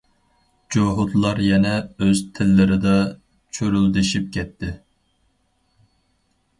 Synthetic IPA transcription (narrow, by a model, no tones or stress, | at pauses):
d͡ʒoɦʊd̪lˠɑɾjɛnɛøzt̪ʰɪlːɪɾɪd̪ɑ | t͡ʃʰøɾyld̪ɪʃip̚kʲʰɛt̪ʰːɪ